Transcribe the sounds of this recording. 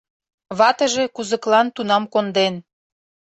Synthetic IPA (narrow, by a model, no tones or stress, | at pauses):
βɑt̪ə̆ʒe̽kuzə̆klɑnt̪unɑmkond̪en